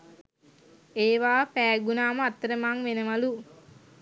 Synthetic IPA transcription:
eːʋaːpæːɡunaːməat̪ːəɾəmaŋʋenəʋalu

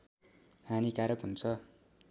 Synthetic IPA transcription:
ɦanikaɾʌkɦunt͡sʰʌ

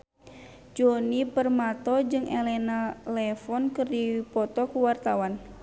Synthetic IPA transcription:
d͡ʒonipərmat̪ɔd͡ʒɨŋɛlɛnalɛfɔnkɨrdipɔt̪ɔkuwart̪awan

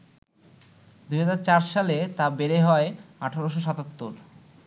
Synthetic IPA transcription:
d̪uɦad͡ʑaɾt͡ɕaɾʃalet̪abeɾeɦɔeaʈʰaɾoʃ̬oʃat̪at̪ːoɾ

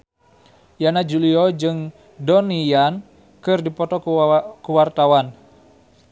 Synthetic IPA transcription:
janad͡ʒuliɔd͡ʒɨŋ | dɔnijan | kɨrdipɔt̪ɔkuwart̪awan

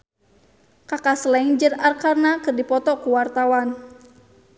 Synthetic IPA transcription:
kakaslɛiŋd͡ʒərarkarnakɨrdipɔt̪ɔkuwart̪awan

